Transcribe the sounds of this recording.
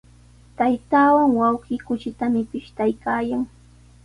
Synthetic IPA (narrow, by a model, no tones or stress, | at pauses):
t̪ajt̪aːwaŋwɑwɢiːkʊt͡ʃɪt̪amɪpɪʃt̪ajkaːjaŋ